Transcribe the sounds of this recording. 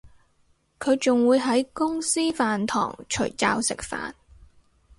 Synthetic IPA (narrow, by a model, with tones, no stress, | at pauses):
kʰɵ˨˧ɥt͡sʊ˨ŋwuː˨˧jɦɐ˨˥jkʊ˥ŋsiː˥faː˨nt̪ʰɔ̰ː˨˩ŋt͡ʃʰɵ̰˨˩ɥt͡saː˧wsɪ̰˨k̚fa̰ː˨n